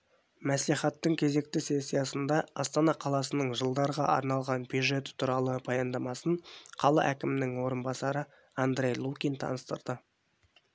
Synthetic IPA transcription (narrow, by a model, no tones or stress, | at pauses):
mæsliχɑt̪ːəŋkʲʰe̞ze̞k̚t̪ɪse̞sʲːijɑsənd̪ɑɑst̪ɑnɑqʰɑlˠɑsənəɴʒəlˠd̪ɑɾʁɑʔɑ̰ɾnɑlˠʁɑnbjuʒe̞t̪t̪ʰuɾɑlˠəbojɑnd̪ɑmɑsəɴqʰɑlˠɑ̰ʔækʲɪmɪnɪŋwo̞ɾənbɑsɑɾə | and̪ɾʲe̞jlˠukʲijnt̪ʰɑ̰nəst̪əɾd̪̥ə